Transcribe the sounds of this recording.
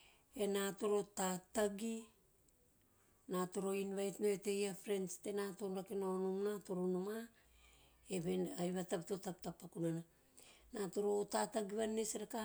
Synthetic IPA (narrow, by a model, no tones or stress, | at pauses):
e̞nato̞ɾo̞tataɡi | nato̞ɾo̞inβajtnoete̞jafɾe̞nste̞nato̞nɾakenaonumnato̞ɾonuma | eβenajβataptotap̚tapːakunana | natoɾo̞tataɡiβanːesɾeka